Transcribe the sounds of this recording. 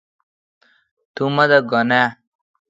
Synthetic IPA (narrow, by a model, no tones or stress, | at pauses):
t̪umʌd̪ʌɡʌna